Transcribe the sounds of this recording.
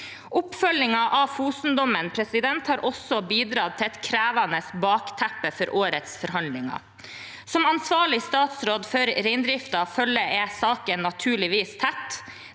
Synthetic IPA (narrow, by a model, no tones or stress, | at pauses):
ʔʊpfœlɪŋɑʔɑfuːsn̩d̪ɔmənpʰɾɛsɪd̪ɛnt̪hɑːɾʔɔsɔbiːd̪ɾɑːt̪ʰɪɛt̪kʰɾæːʋɑnəsbɑːkt̪ʰæpəfɔɾʔoːɾət̪sfɔɾɦɑnlɪŋɑ̰ | sɔmɑnsʋɑːɭɪst̪ɑːt̪sɾoːd̪fœɾɾɛɪnd̪ɾɪft̪ɑfœlːəɛsɑːkənːɑt̪ʰʉːɭɪʋiːst̪ʰæt̪ː